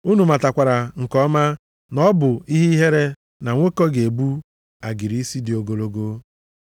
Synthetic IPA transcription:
u˦nu˨ma˨ta˨kʷa˨ɾa˨ŋ̩˨kɔ˦ma˦ | nɔ˦bʊ˨i˦ɦi˦ɦe˦ɾe˦ | na˨ŋʷo˦kɔ˦ɡe˨bu˦ | a˨ɡi˨ɾi˦si˦dɪ˨o˨ɡo˨lo˦ɡo˦

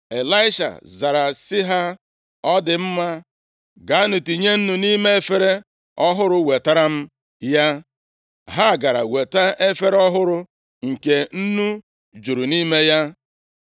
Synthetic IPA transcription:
e˨la˦ɪ˦ʃa̰˨za˨ɾa˨sɪ˦ɦa˦ | ɔ˦dɪ˨m̩˦ma˦ | ɡa˨a˦nʊ˨ti˨ɲe˦n̩˦nu˨ni˦me˦e˦fe˦ɾe˦ | ɔ˦ɦʊ˦ɾʊ˦we˨ta˦ɾa˦m̩˦ | ja˦ | ɦa˦˨ɡa˨ɾa̰˨we˨ta˦ʔe˦fe˦ɾɔ˦ɦʊ˦ɾʊ˦ | ŋ̩˨ke˨n̩˦nu˦ | d͡ʒu˨ɾu˨ni˦me˦ja˦

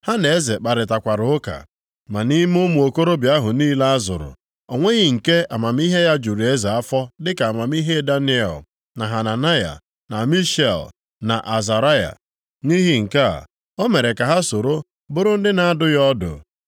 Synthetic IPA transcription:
ha˦ne˨e˦ze˨k͡pa˨ɾɪ˨ta˨kʷa˨ɾʊ˨˦ʊ˦ka̰˨ | ma˨ni˦m˦ʊ˦mu˨o˨ko˦ɾo˦bja˦ɦʊ˨niː˦la˦a˦zʊ̰˨ɾʊ̰˨ | o˨ŋʷe˦ɣɪ˨ŋ̩˨ke˦a˨ma˨m̩˦i˦ɦe˦ja˦d͡ʒu˨ɾi˨e˦za˨a˦fɔ˦dɪ˦ka˨a˨ma˨m˦i˦ɦe˦da˦ni˦ḛ˨l | na˨ɦa˨na˨na˦ja̰˨ | na˨mi˦ʃe˨l | na̰˨ʔa˨za˨ɾa˦ja̰˨ | ni˦ɦi˦ŋ̩˨ka̰˦˨ | ɔ˦me˨ɾe˨ka˨ɦa˦so˨ɾo˦ | bʊ˦ɾʊ˦n̩˦dɪ˦na˨a˦dʊ˦jɔ˦dʊ̰˨

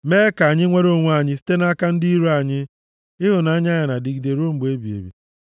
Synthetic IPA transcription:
meː˦ka˨ɲɪ˦ŋʷe˦ɾo˦˨ŋʷ˦a˦˨ɲɪ˦si̥˦te˦na˦ka˦n̩˦di˦i˦ɾu˦a˨ɲɪ˦ | ɪ˦ɦʊ˨na˨˦ɲ˦a˦ɲa˨na˨di˨ɡi˨de˨ɾo˦m̩˨ɡ͡be˦bi˨ḛ˨bḭ˨

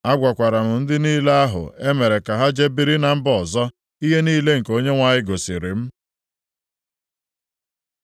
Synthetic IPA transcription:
a˦ɡʷa˨kʷa˨ɾa˨m̩˨n̩˦dɪ˦niː˦le˦a˦ɦʊ̰˨e˦me˨ɾe˨ka˨ɦa˦d͡ʒe˦bi˨ɾi˦na˨m̩˦bɔ˨zɔ˦ | i˦ɦe˦niː˦le˦ŋ̩˨ko˦ɲe˦ŋʷa˨ɲɪ˦ɡo˨sɪ˨ɾɪ̰˨m̩˦

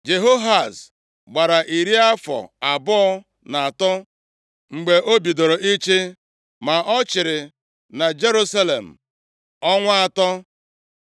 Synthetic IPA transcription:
d͡ʒe˨ɦo˦ɦa˨s | ɡ͡ba˨ɾa˨ʔi˨ɾi˦a˦fɔ̰˨a˨bɔ˦ɔ˦ | na˨a˨tɔ˦ | ŋ͡m̩˨ɡ͡be˨ʔo˦bi˨do˨ɾo˨ʔi˦t͡ʃe˦ | ma˨ʔɔ˦t͡ʃɪ˨ɾɪ˨ | na˨d͡ʒe˦ɾu˦sa˦le˨m̩˨ | ɔ˦ŋʷa˦a˨tɔ˦

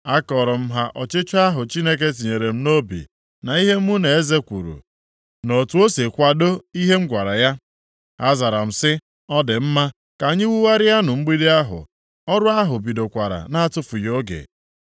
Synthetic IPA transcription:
a˦kɔ˨ɾɔ˨m̩˦ɦa˦ʔɔ˨t͡ʃɪ˦t͡ʃʊ˦a˦ɦʊ˨t͡ʃi˦ne˦k̬e˦t̬i˨ɲe˨ɾe˨m̩˦no˦bḭ˨ | na˨i˦ɦe˦m̩˦u˦ne˨e˦ze˦kʷṵ˨ɾṵ˨ | no˨tu˨˦o˦se˨kʷa˨do˦i˦ɦe˦m̩˦ɡʷa˨ɾa˨ja˦ | a˦za˨ɾa˨m̩˨sɪ˦ | ɔ˦dɪ˨m̩˦ma˦ | ka˨ɲɪ˦wu˦wa˦ɾɪ˦ja˦nʊ˨ŋ͡m̩˦ɡ͡bi˦de˦a˦ɦʊ̰˨ | ɔ˦ɾʊ˦a˦ɦʊ˨bi˨do˨kʷa˨ɾa̰˨na˦a˦tʊ˦fu˨jo˦ɡḛ˨

